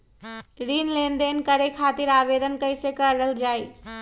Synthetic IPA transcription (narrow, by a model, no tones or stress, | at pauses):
ɾinlend̪enkəɾekʰat̪iɾabed̪ənkəjsekəɾɾəld͡ʒaj